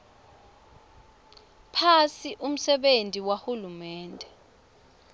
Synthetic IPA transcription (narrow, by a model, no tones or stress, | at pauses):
pʰasiʔum̩sɛɓentʼiwahulumɛːntʼɛ